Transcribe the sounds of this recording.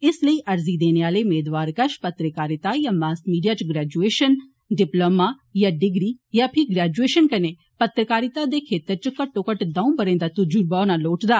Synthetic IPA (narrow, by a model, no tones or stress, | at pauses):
ɪsləiːʔɐɾzid̪eːneaːleʊmeːd̪ʋaːɾkɐʃpɐt̪ɾəkaːɾɪt̪ajaːmaːskmiːɖijaːt͡ʃɡɾɛːd͡ʒueːʃən | ɖɪploːma | jaɖɪɡɾijapʰɪɡɾɛːd͡ʒueːʃənkɐne | pɐt̪ɾəkaːɾɪt̪ad̪ekʰeːt̪əɾt͡ʃəkɐʈːõkɐʈd̪ãːũbɐɾẽːnd̪at̪ʊd͡ʒuɾbaːnaloːʈd̪aː